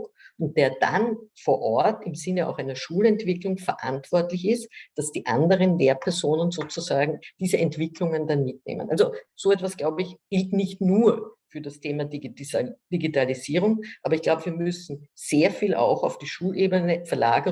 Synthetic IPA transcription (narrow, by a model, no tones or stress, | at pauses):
ʊnt̚d̥eːɐd̥a̰nfoːɐʔɔɐtɪmzɪnəa̰ʊxæɪnɐʃuːlɛntv̥ɪklʊŋfɛɐʔa̰ntv̥ɔɐtlɪçɪstd̥asd̥iːʔandəʁənleːɐpʰɛɐzoːnənzoːt͡sʊzaːɡŋ̩d̥iːzəɛntv̥ɪklʊŋəndanmɪtnḛːmə̰nʔalzoz̥oːɛtv̥asɡ̥laʊbəɪçɡ̥ɪltnɪçtnuːɐfyːɐdastʰeːmadiid̥iɡitaliziːʁʊŋʔaːbɐɪçɡ̥laʊbəviːɐmʏsn̩z̥eːɐfiːlʔa̰ʊxaʊfd̥iːʃuːlʔeːbənəfɛɐla̰ːɡɐ